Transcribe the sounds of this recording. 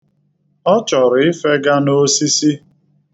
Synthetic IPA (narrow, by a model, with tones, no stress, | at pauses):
ɔ˦t͡ʃɔ˨ɾɪ˨ɪ˦fe˦ɡa˦no˦si˦si˦